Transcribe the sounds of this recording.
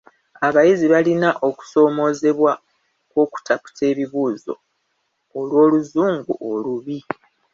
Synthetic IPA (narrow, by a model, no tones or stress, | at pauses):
aβajiziβalinaʔo̞ku̥so̞ːmo̞ːze̞βwa | kwo̞ːku̥tʰapu̥tʰe̞ːβiβuːzo̞̰ː | lwo̞ːluzuːŋɡuʔoluβi